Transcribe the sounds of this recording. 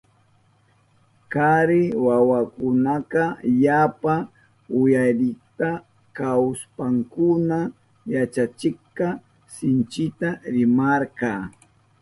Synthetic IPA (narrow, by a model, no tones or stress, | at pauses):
kaɾɪwawakʊnaqɑjapa | ʊjajɾɪkt̪a | kawspaŋkʊna | jat͡ʃat͡ʃɪχqɑ | sɪnt͡ʃɪt̪aɾɪmaɾqɑː